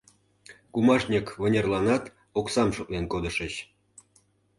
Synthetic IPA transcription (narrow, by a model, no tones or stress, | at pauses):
kumɑʃnʲəkβə̆nʲerlɑnɑt̪ | oksɑmʃŏklenkod̪ə̆ʃə̆ɕ